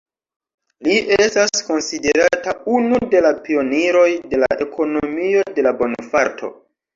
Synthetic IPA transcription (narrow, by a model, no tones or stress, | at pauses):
liʔestasko̞nside̞ɾataunude̞lapio̞niɾo̞jde̞laʔe̞kʰo̞nomio̞de̞labo̞nfaɾtʰo̞̰